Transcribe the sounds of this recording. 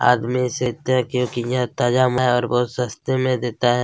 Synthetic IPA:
a̰ːd̪miseːt̪eɦɛ̃kjõːkijɦãt̪ad͡ʒamaɦɛɔːɾbɔːt̪sɐst̪emẽd̪eːt̪aɦɛː

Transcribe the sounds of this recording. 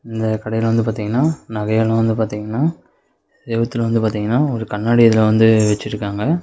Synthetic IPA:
ɪnd̪ɐkɐɽɐjɪlʋɐnd̪ɯpaːɾt̪iːŋɡɐnːaːnɐɣɐjɐlɐ̃ʋɐnd̪ɯpaːɾt̪iːŋɡɐnːaː | d̪eːbɐt̪ːɯlʋɐnd̪ɯpaːɾt̪iːŋɡɐnːaːɔɾɯkɐnːaːɽiɐðɪlɐʋɐnd̪ɯʋɛt͡ʃːɪʈɾɯkːaːŋɡɐ

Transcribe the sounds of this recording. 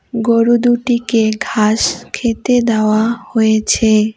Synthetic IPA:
ɡoɾud̪uʈikeɡʱaʃkʰet̪ed̪eoahojet͡ɕʰe

